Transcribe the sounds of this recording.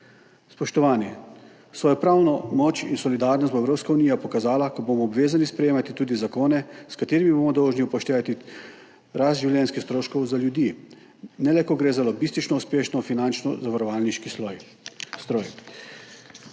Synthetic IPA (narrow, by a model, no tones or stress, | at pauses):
spɔʃt̪ɔʋaːnɛ | sʋɔːjɔpɾaːwnɔmɔt͡ʃinsɔlid̪aːɾnɔst̪bɔɛwɾoːpskauniːjapɔkazaːlakɔbomɔːbʋeːzanispɾɛjeːmat̪it̪uːd̪izakoːnɛskat̪eːɾimiboːmɔd̪ɔwʒniupɔʃt̪eːʋat̪i | ɾast̪ʒiwljʲɛnskist̪ɾoːʃkɔwzaljud̪ji | nɛlɛkɔɡɾeːzalɔɡist̪it͡ʃnɔuspeːʃnɔfinant͡ʃnɔzaʋaɾɔʋalniʃkiɔj | st̪ɾɔj